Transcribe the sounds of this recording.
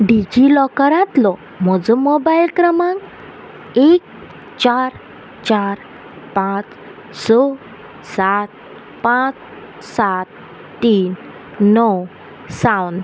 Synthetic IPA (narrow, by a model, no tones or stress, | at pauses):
ɖid͡ʑilɔkaɾãt̪lɔ | m̤ɔd͡zɔ̃mobailkɾəmãŋ | ek̚ | t͡ɕaɾ | t͡ɕaɾ | pãt͡s | sɔ | sat͡s̪ | pãt͡s | sat̪ː | iːnː | ɔw | sawn